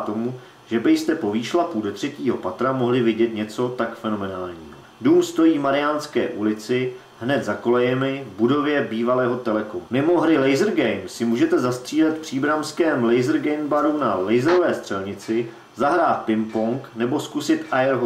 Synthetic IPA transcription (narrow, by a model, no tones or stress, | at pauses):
t̪o̞mu | ʒ̥ɛbɪjst̪ɛpo̞viːʃlapudot̪r̝̥ɛciːɦo̞pat̪ɾamo̞ɦlɪvɪɟɛt̪ɲɛt͡so̞t̪akfɛno̞mɛnaːlɲḭːɦoduːmst̪o̞jiːmaɾɪjaːnskɛ̰ːʔulɪt͡sɪ | ɦnɛt̪zako̞lɛjɛmɪbudo̞vjɛbiːvalɛːɦo̞t̪ɛlɛkomumɪmo̞ɦɾɪlɛjzr̩ɡɛjmsɪmuːʒɛt̪ɛzast̪r̝̥iːlɛt̪pr̝̥iːbɾamskɛːmlɛjzɾɡɛjmbaɾunalɛjzɾovɛːst̪r̝̥ɛlɲɪt͡sɪ | zaɦɾaːt̪̚pɪmpoŋknɛbo̞skusɪt̪ʔajɛɾɦo